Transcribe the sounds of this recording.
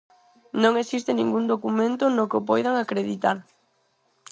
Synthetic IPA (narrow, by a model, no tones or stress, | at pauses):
nõŋesist̪ɪnĩŋɡund̪okumẽnt̪ʊnokop̬ɔjðaŋakɾeðit̪aɾ